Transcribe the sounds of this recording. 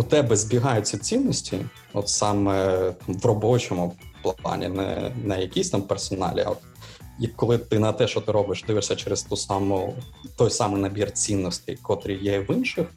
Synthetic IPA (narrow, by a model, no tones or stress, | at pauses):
ut̪ɛbɛzʲbʲiɦɑjʊt͡sʲːɐt͡sʲinːɔsʲtʲi | ɔt̪sɑmɛt̪mʋrɔbɔt͡ʃɔmʊplˠɑ̰nʲḭnɛ̰nɐjɐkʲisʲt̪ampersɔnɑ̰lʲḭɐ̰ɔt̪ | jɐkːɔlˠɪt̪ɪnɐt̪ɛʃt͡ʃɔt̪ɪɾɔbɪʃd̪ɪʋɪʂsʲɐt͡ʃɛɾɪst̪usɑmʊt̪ɔjsɑmɪjnɐbʲirt͡sʲinːɔsʲt̪ɪ̰jkɔt̪ɾʲijɛʋɪnʃɪx